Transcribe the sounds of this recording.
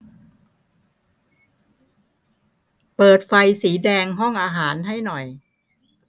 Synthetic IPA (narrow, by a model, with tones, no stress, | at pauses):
pɤː˨˩t̪̚fa˧jsiː˩˦dɛː˧ŋɦɔ˥˩ŋʔaː˧ɦaː˩˦nɦa˥˩jnɔ˨˩j